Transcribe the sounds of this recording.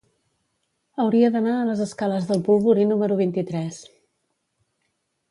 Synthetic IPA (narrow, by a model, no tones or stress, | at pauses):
əwɾiəðənaələzəskaləzðəlˠpulˠβuɾinuməɾuβ̞int̪it̪ɾɛs